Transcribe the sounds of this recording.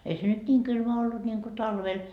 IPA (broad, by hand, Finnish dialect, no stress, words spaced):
ei se nyt nʲiːŋ kylmæ olːut nʲiŋko tɑlʋel